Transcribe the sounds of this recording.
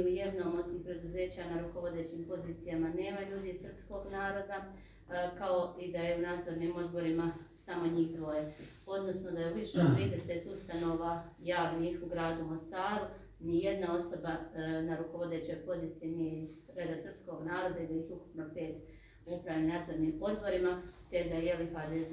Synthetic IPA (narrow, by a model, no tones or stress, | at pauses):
uje̞d̪no̞ːmod̪t̪ixpɾe̞d̪uze̞ːt͡ɕanaɾuko̞ʋo̞d̪e̞t͡ɕimpo̞ziːt̪sijamane̞ːmaʎuːd̪iissr̩psko̞ɡnaːɾo̞d̪a | kao̞id̪ajeunaːd̪zo̞ɾnimo̞d̪bo̞ɾimasamo̞ɲiːxd̪ʋo̞je | o̞d̪no̞snod̪aeuʋiʃeopeːd̪eset̪ust̪ano̞ʋajaːʋniːxuɡɾaːd̪umo̞st̪aːɾu | nije̞d̪nao̞so̞banaɾukoʋo̞d̪e̞t͡ɕo̞jpo̞ziːt̪sijenijeiz | ɾed̪asr̩psko̞ɡnaːɾo̞d̪aid̪aixuku̥pnope̞ːt̪ | upɾaʋjaunaːd̪zoɾnimo̞d̪bo̞ɾimat̪e̞d̪ajelixad̪e